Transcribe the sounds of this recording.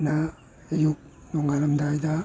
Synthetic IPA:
naː | juk̚ | nɔŋalɐmdajda

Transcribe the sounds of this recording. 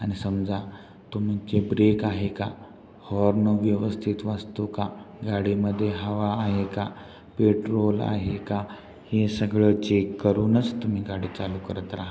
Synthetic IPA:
añisəmd͡za | t̪um̤it͡ɕebɾekaɦeka | hɔɾnəʋjəʋəst̪ʰit̪ʋast̪okaɡaɽiməd̪ʱːjeɦəʋaːɦeka | peʈɾola̰ɦeka | hesəɡɭət͡ɕekːəɾuːnət͡st̪um̤iːɡaɽiːt͡salukəɾət̪ɾaɦa

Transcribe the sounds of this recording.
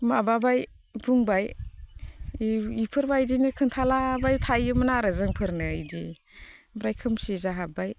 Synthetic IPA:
mababaj | buŋbaj | ipʰɯɾbajdinɯkʰɯntʰalabajtʰajɯmɯnaɾazɯŋpʰɯɾnɯjdḭ | bɾajkʰɯmsizaɦabaj

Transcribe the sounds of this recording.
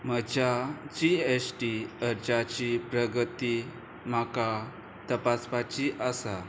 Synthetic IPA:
məd͡ʑad͡ʑiesʈiəɾd͡ʑat͡ɕipɾəɡət̪i | m̤aka | t̪əpaspat͡ɕiʔəsa

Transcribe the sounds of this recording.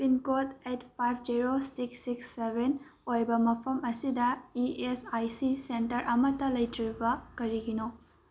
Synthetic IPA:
pinkotetpʰajpʰd͡ʒiɾosiksːiksːebʱen | ojbɐmɐpʰɐmɐsidɐiesajsisentɐɾʔɐmɐtɐlɐjtɾibɐkɐɾiɡino

